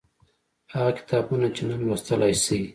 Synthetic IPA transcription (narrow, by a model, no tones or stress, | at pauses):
haɣakɪ̥t̪ɑbunat͡ʃenanwast̪əlajsi